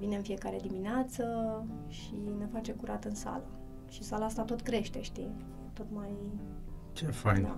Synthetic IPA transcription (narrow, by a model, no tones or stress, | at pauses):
vine̞ɨnfije̞kaɾe̞d̪imineat̪sə | ʃine̞fat͡ʃe̞kuɾʔat̪ɨnsa̰lə | ʃisalaast̪at̪o̞t̪kɾe̞ʃt̪e̞ʃt̪i | t̪o̞t̪maj | t͡ʃefajn